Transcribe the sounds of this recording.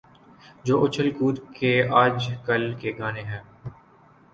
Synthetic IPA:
d͡ʒoːʔʊt͡ʃʰəlkuːd̪keaːd͡ʒkɐlkeɡaːneɦɛː

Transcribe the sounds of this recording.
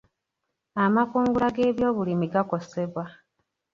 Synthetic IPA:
amakuːŋɡulaɡe̞ːβjo̞ːβulimiɡako̞se̞βwa

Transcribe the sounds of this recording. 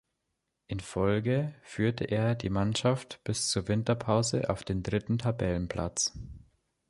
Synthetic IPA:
ʔɪnfɔlɡəfyːɐtʰəʔeːɐdḭːmanʃaftb̥ɪst͡suːɐvɪntɐpʰaʊzə̰ʔa̰ʊfd̥eːndʁɪtn̩tʰabɛlənpʰl̥a̰t͡s

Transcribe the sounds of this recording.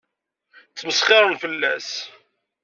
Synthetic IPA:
t͡sːməsχɪɾˤənfəlːæs

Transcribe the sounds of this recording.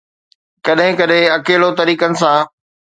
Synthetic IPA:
kɐɗɦɪ̃kɐɗɦɪ̃ɐkeːlot̪ɐɾiːkənɪ̆sãː

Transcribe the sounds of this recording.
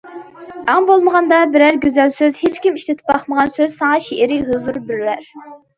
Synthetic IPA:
ɑŋbolˠməʁɑnd̪ɑbɪɾæɾɡʲøzælsøzhet͡ʃkʲimiʃlɪt̪ʰɪ̥p̚bɑχməʁɑnsøz̥sɑŋɑʃeʔɪɾɪɦɨzuɾbyɾlæɾ

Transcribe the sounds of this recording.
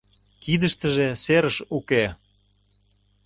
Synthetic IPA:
kid̪əʃt̪əʒeseɾəʃuke

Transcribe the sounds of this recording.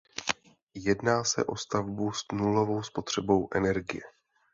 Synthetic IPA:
jɛdnaːsɛ̰ʔo̞st̪avbusnulo̞vo̞wspo̞t̪r̝̥ɛbo̞wʔɛnɛɾɡɪ̰jɛ

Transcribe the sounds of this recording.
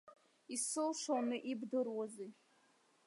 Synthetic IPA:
isɨlʂonɨʔibdɨrwazi

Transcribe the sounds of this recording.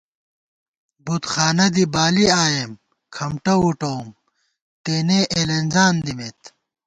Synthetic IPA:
but̪xaːnɐd̪ibaːliaːjem | kʰɐmʈɐuʈoːm | t̪eːneʔeːlenzaːnd̪imet̪

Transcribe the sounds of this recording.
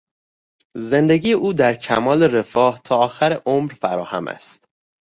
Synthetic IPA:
ze̞nd̪eɟiːjeʔuːd̪æɾcʰæmɒːle̞ɾe̞fɒːht̪ʰɒːɒːxæɾeʔomɾfæɾɒːhæ̰mæ̰st̪

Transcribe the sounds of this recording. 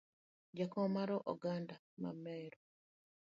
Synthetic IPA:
d͡ʒakɔmaɾɔʔɔɡanda | ma̰mɛɾɔ

